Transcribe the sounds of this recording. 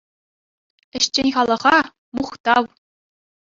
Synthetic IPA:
ɘ̆ɕt͡ɕenʲχɑlˠɤ̆ʁɑ | muχt̪ɑw

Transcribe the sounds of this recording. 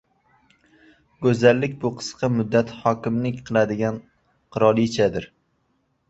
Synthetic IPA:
ɡɵzalːɪkʲbʊqʰɨ̥sqʰɑmʊd̪ːat̪hɒkʲɪmlɪkʲqʰɨlˠad̪ɪɡʲan | qʰɨɾɒlˠit͡ʃʰad̪ɪɾ

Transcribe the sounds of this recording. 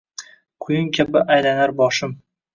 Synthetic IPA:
qʰʊjʊŋkʲʰabɪʔajlanaɾbɒʃɪm

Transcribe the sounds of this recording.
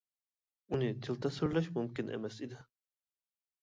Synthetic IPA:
unɪt̪ʰilˠt̪ʰɑsyɾlɛʃmumkʲɪnʔḛmɛsid̪ɪ

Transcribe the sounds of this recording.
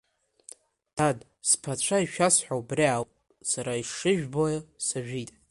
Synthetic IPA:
d̥ad | spʰat͡ɕʷʰaiʃᶣasħʷᶣaubriawʼ | saɾaiʂɨʒᶣbojasaʒᶣitʼ

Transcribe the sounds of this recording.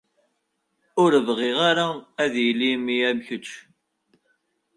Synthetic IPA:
ʊɾəvʁiʁaɾaæðjəlːimiæmçət͡ʃː

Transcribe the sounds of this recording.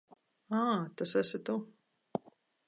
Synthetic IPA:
aːt̪asasʲɪt̪u

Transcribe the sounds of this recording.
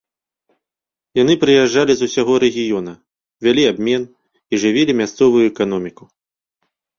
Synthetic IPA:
jan̪ɨpɾɨjaʐːalʲizusʲaɣɔɾɛɣʲijɔn̪ɐ | vʲalʲiabʲmʲɛn | iʐɨvʲilʲimʲast̪sɔvujuɛkan̪ɔmʲiku

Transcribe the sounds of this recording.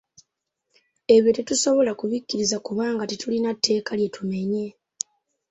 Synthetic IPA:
e̞βjetetuso̞βo̞lakuβicːiɾizakuβaːŋɡatitulinatːe̞ːkalje̞tume̞ɲe̞

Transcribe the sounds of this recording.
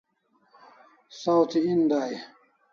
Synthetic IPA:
sawt̪ʰind̪aj

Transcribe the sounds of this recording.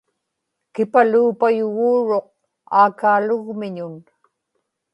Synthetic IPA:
kɪpaluːpajʊɣuːɻoq̚ | a̰ːkaːlʊɣmɪɲʊn

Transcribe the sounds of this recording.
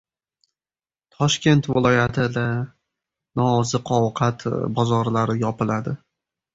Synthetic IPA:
t̪ʰɒʃkʲe̞nt̪vɪlˠɒjat̪ʰɪd̪a | nɒːzɨqʰɒwqʰat̪ʰbɒzɒɾlaɾɪjɒpɪlad̪ɪ

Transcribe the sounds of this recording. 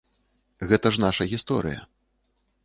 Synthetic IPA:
ɣɛt̪ɐʐnaʂɐɣʲist̪ɔ̰ɾɨ̰jɐ̰

